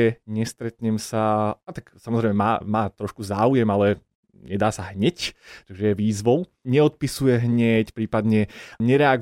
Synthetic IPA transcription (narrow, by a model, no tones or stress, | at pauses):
ɛɲɛst̪ɾɛt̪ɲɛmsaat̪aksamɔzɾɛɪmɛmaːmaːt̪ɾɔʃkuzaːujɛmalɛ | ɲɛd̪aːsaɦɲɛct̪aɡʒɛjɛʋiːzʋɔʊ | ɲɛɔt̪̚pisujɛɦɲɛcpɾiːpad̪ɲɛɲɛɾɛaɡ